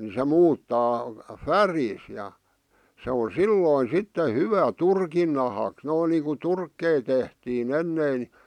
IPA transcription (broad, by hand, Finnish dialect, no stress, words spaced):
se muːtːɑː færiːs jɑ se on̞ silːoˑĭn̞ sitːe hyʋæ turkin nɑhɑˑks noin niːŋku turkːei tehtiːn enːeˑĭn ni